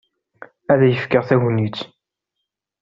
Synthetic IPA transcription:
æðæjəfkəʁθæɣnit͡sː

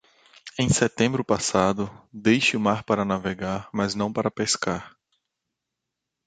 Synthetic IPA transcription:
ẽj̃sɛt̪ẽmbɾʊpasad̪ʊd̪ejʃɪʊmaɾpaɾɐnaveɡaɾmɐznɐ̃w̃paɾɐpeskaɾ

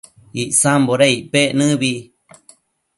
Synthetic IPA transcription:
iʔsamboɾaiʔpeʔnɨ̃βi

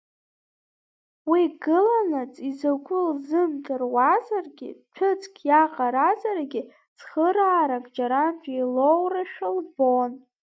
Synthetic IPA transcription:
wiɡɨlanat͡sʼizakʷʰʼʊlzɨmtʰʼɨrwazarɡʲɪ̰ʈ͡ʂʰɨt͡sʰʼkʲʰjaqʼaɾazarɡʲɪ | t͡sχəɾaːɾakʼd͡ʒaɾantʼilowraʃᶣalbon

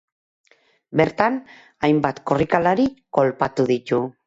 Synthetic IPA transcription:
be̞ɾt̪an | ajmbat̪ko̞rikalaɾiko̞lpat̪uðit̪u

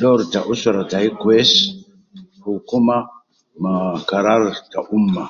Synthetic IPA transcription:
dɔɾtaʔusaɾataikes | hukuma | makaɾaɾtaʔumːa

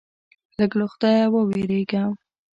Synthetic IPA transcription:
ləɡloxd̪ɑjawəweɾeɡam

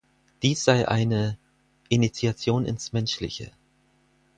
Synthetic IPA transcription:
d̥iːsz̥aɪʔa̰ɪnə | ʔinit͡siat͡sjoːnɪ̰nsmɛnʃlɪ̰çə̰

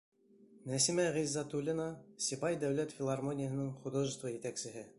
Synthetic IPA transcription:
næsimæʁizːɑt̪ulʲinɑsʲibɑjd̪æwlæt̪fʲɪlˠarmonʲɪjəɦɤ̆nɤɴχud̪oʒə̆st̪vɑjɘ̆t̪æksɘ̆ɦɘ

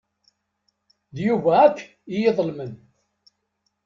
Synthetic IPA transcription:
ðjuvæːkː | ijeðˤlmən

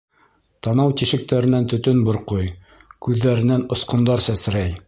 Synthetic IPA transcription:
t̪ɑnɑwt̪iʃɘ̆k̚t̪æɾɘ̆nænt̪ɵ̆t̪ɵnbŏɾqoj | kʉðːæɾɘ̆nænŏsqŏnd̪ɑɾsæs̆ɾæj

